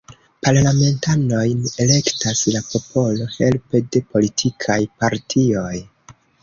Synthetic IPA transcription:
paɾlame̞ntano̞jne̞le̞ktaslapo̞pʰo̞lo̞he̞lpe̞de̞po̞litʰikʰajpaɾtʰio̞j

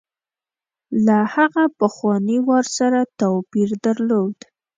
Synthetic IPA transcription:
lahaɣapəxwɑniwɑɾsaɾat̪opiɾd̪aɾlod̪

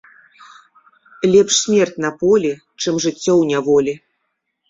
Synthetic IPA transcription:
lʲɛpʂsʲmʲɛrt͡sʲnɐpɔlʲi | t͡ʂɨmʐɨt͡sʲːɔwnʲɛvɔlʲi

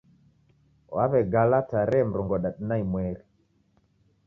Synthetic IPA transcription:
wa̰βɛɡalataɾɛm̩ɾɔŋɡɔɗaɗnaimwɛɾi

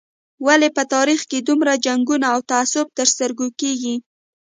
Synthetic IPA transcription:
walepət̪ɑɾixked̪umɾad͡ʒaŋɡunaːwt̪aːsʊb̚t̪əɾst̪əɾɡokeɡi

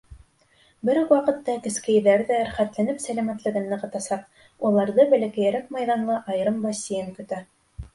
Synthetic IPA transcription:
bɘɾwɑqɤ̆t̪ːɑkɘ̆skæ̆jðæɾðæːɾχæt̪lænɘpsælæmæt̪lɘ̆ɡɘnːɤ̆qɤ̆t̪ɑsɑq̚ | ulˠɑɾðɤbælækæ̆jæɾæk̚mɑjðɑnlˠɤʔɑjɤ̆ɾɤmbɑsijɘŋkɵ̆t̪æ

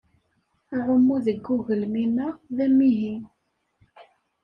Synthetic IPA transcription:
ʁəmːuðəɡːuɣəlminəðæmːiɦi

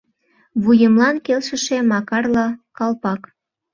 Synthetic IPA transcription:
βujəmlɑnkelʃə̆ʃemɑkɑrlɑkɑlpɑk

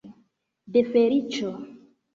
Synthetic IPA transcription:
defeɾit͡ʃo

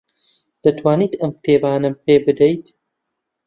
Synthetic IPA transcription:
d̪̥ɐt̪ʰwaːniːt̪ɐmxt̪ʰeːbaːnɐmpʰeːbɨd̪ɐjt̪

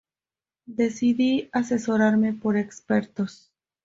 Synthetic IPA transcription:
d̪e̞siðiase̞so̞ɾaɾme̞po̞ɾekspe̞ɾt̪o̞s

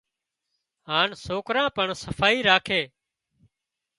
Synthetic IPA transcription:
ɦaːnsoːkɾãːpəɳsəfʰaːiːɾaːkʰeː

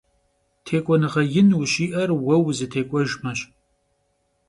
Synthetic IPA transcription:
tʰeːkʷʼɔnɨʁɐjɪnwɕiːʔɐrwɐwzɨtʰeːkʷʼɔʒmɐɕ

